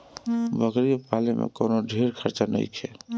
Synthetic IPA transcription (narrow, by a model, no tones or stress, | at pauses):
bʱəɡɾipalemḛ̃koːnoɖʱeɾkʰəɾt͡ʃanə̰it͡ʃʰɛ